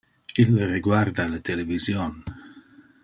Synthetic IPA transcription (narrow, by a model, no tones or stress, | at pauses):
ilːreɡward̪alat̪ʰelevizjon